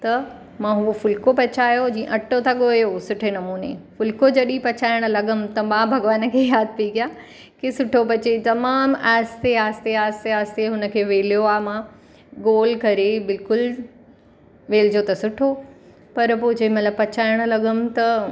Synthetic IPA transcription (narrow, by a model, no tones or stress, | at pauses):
t̪ɐ | mãɦʊofʊlkopɐt͡ɕaːjod͡ʑĩːḛ̃ʔɐʈot̪ʰɐɠojosʊʈʰenɐmuːnḛfʊlkod͡ʑɐɗipɐt͡ɕaːɪɽ̃̆lɐɠʊm̆t̪ɐmãːbʱɐɡʋaːnə̆kʰeːjaːd̪̚ʱpiiɡijaː | kisʊʈʰopɐt͡ɕet̪ɐmaːmaːst̪eaːst̪eaːst̪eaːst̪eɦʊnə̆kʰeːʋeːlijoaːmãː | ɡoːlkɐɾebɪlkʊl | ʋeːld͡ʑot̪ɐsʊʈʰo | pɐɾpoɦɪ̃d͡ʑemɐt̪ləbpɐt͡ɕaːɪɽ̃̆lɐɠʊmt̪ɐ